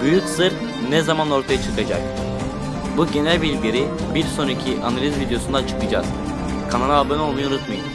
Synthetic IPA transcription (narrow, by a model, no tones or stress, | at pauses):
byjyksɯɾ | nɛzamano̞ɾt̪ʰajat͡ʃʰɯ̥kʰad͡ʒak̚ | buɟe̞nælʲbilʲɟʲeɾi | biɾso̞nicʰiʔanalʲizvid̪ejo̞sund̪at͡ʃʰɯ̥kɯd͡ʒa̰z̥ | kʰananalˠbøno̞lˠmujunut̪majɯm